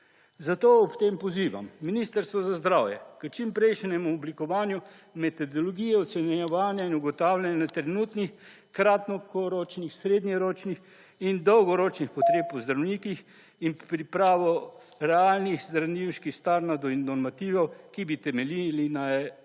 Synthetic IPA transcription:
zat̪oːɔpt̪empɔziːʋa̰mːiniːst̪əɾst̪ʋɔzazd̪ɾaːwjɛ̰kət͡ʃimpɾɛjʃnɛmuɔblikɔʋaːnju | mɛt̪ɔd̪ɔlɔɡiːjɛɔt̪sɛnɛʋaːnjainuɡɔt̪aːwlanat̪ɾɛnuːt̪nix | kɾat̪nɔkɔɾot͡ʃnixsɾeːd̪njɛɾoːt͡ʃnix | ind̪ɔwɡɔɾoːt͡ʃnixpɔt̪ɾeːpɔzd̪ɾawniːkix | inpɾipɾaːʋɔ | ɾɛaːlnixzd̪ɾaniwʃkixst̪aɾnad̪ɔinːɔɾmat̪iːʋɐwkibit̪ɛmɛlilina

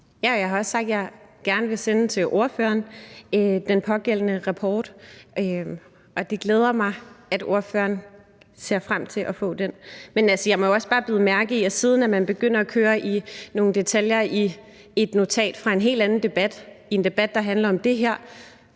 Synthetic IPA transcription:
jæɒjɑɪɦɑ̈ɒ̽ssɡ̥̚d̥jɑ̈ɪɡ̥æɐnəʋe̝senət͡sʰe̝lʔo̝ɐfø̰ːɐn | d̥enpʰɒ̽ɡ̥el̰n̩əʁɑpʰɒːd̥ʔø | ʔɒ̽d̥e̝ɡ̥leːð̞ˠɐmɑ̈ɪæd̥o̝ɐfø̰ːɐn | se̝ɐfʁam̰t͡sʰe̝lʔɒfɔ̰̽ːd̥enmenælsəjɑ̈ɪmɒ̽joɒ̽sb̥ɑ̈ːb̥ið̩ˠmæɐɡ̥əiɒsiːð̞ˠn̩æmænb̥e̝ɡ̥øn̰ɐɒkʰøːɐʔino̝ːn̩d̥e̝t͡sʰæljɐi | e̝d̥no̝t͡sʰɛ̰ːd̥fʁɑ̈e̝nɦe̝̰ːld̥ænn̩d̥e̝b̥æd̥ie̝nd̥e̝b̥æd̥ːɑ̈ɦænlɐɒ̽md̥e̝ɦæɐ̰

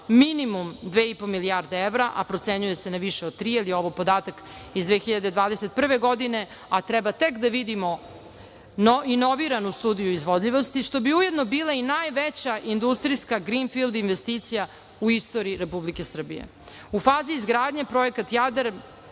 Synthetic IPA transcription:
minimumd̪ʋeːipomiliaɾd̪eeʋɾaʔa̰pɾo̞t̪seɲuje̞senaʋiʃeot̪ɾiːilio̞ʋopo̞d̪aːt̪ak | izd̪ʋeːxiʎad̪ed̪ʋaːd̪eset̪̚pr̩ʋeɡo̞d̪ine̞ | at̪ɾɛbat̪e̞kd̪aʋid̪imo | ino̞ʋiɾanust̪uːd̪ijuizʋod̪ʎiʋo̞st̪iʂt̪o̞biuje̞d̪no̞biːlˠainaːjʋet͡ɕaʔind̪ust̪ɾiskaɡɾinfilˠd̪inʋest̪it̪sija | uist̪oɾiɾepublike̞sr̩bḭjḛ | ufaːziːzɡɾaːd̪ɲepɾo̞ekat̪jad̪eɾ

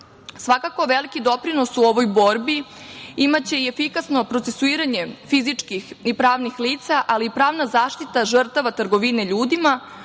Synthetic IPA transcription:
sʋakako̞ʋe̞likid̪o̞pɾino̞suoʋo̞jbo̞ɾbiimat͡ɕe̞ie̞fikasno̞pɾot̪se̞suiːɾaɲe̞fizit͡ʂkixipɾaːʋnixliːt̪saʔaliːpɾaːʋnazaːʃt̪it̪aʐr̩t̪aʋat̪ɾɡo̞ʋine̞ʎuːd̪ima

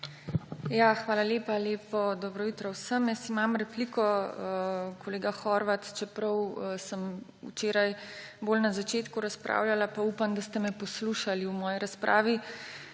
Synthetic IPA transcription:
jaːxʋaːlaleːpaleːpɔd̪ɔbɾɔjut̪ɾɔwsəmjɛst̪imamɾɛplikɔ | kʰɔleːɡaxɔɾʋat̪t͡ʃɛpɾɐwsəmṵt͡ʃeːɾajbolnazat͡ʃeːt̪kuɾaspɾʔa̰ːwlʲalapaupamd̪ast̪ɛmɛpɔsluʃaliwmɔːjiɾaspɾʔa̰ːʋi

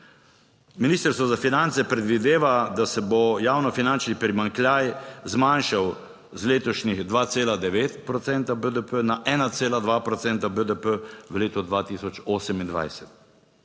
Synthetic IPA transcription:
miniːst̪əɾst̪ʋɔzafinant̪sɛpɾɛd̪ʋid̪eːʋad̪asɛbɔjaːwnɔfinant͡ʃnipɾimaŋklʲjajzmanʃaw | zleːt̪ɔʃniɣd̪ʋaːt̪seːlad̪ɛʋeːt̪pɾɔt̪sɛnt̪abəd̪əpənaʔɛːnat̪seːlad̪ʋaːpɾɔt̪sɛnt̪abəd̪əpəʋəleːt̪ɔd̪ʋaːt̪isɔt͡ʃoːsɛmind̪ʋa̰jsɛt̪

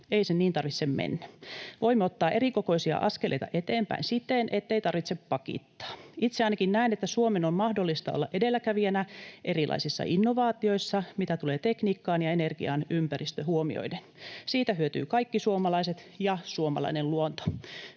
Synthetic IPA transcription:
eisenniːnt̪ɑrʋisːemmḛnːæʋoimːeot̪ːɑːʔerikoko̞isiɑ̰ʔɑskelḛit̪ɑ̰ʔet̪eːmpæ̰insit̪ːenʔet̪ːeit̪ɑrʋit̪seppɑkḭt̪ːɑ̥ːit̪seɑˑinɑkinnæinet̪ːæsuomenommɑhdolːist̪ɑ̰o̰lːɑʔʔedelːækæʋiænæʔerilʔɑ̰isisːɑ̰ʔinːoʋɑːt̪io̞isːɑmit̪æt̪uleːt̪ekniːkːɑːnjɑenerɡ̥ḭɑnympærist̪øhuomḭo̰idensiːt̪æhyøt̪y̰ːkɑikːisuomɑlɑiset̪ | jɑsuomɑ̰lɑ̰inelluont̪o̥

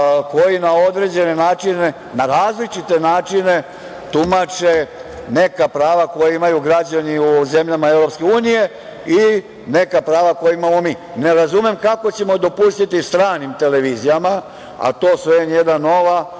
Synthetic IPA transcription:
ko̞jinao̞d̪ɾe̞d͡ʑe̞ne̞naːt͡ʃine̞ | naɾaːzlit͡ʃit̪e̞naːt͡ʃine̞ | t̪umat͡ʃe̞ | ne̞kapɾaːʋako̞jaimajuɡɾad͡ʑaniuze̞mʎamaevɾo̞pske̞uːnije̞ | i | ne̞kapɾaːʋakojeimamo̞miː | ne̞ɾazume̞mkako̞t͡ɕe̞mo̞d̪o̞pust̪it̪ist̪ɾaːnimt̪e̞le̞ʋiːzijama | a̰t̪o̞ːsʋeenje̞d̪ano̞ʋa

